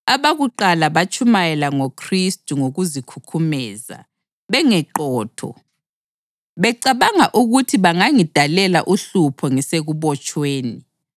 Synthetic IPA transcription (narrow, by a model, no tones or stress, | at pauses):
aβaɣuǃalaβat͡ʃʼumajɛlaŋokʰristʼuŋoɣuzikʰukʰumɛːza̰ | βɛŋɛǃɔːtʰɔ̰ | βɛǀaβaŋaʔuɣutʰiβaŋaŋid̥ʱalɛla̰ʔuɬupʰɔŋiseɣuβɔt͡ʃʼweːni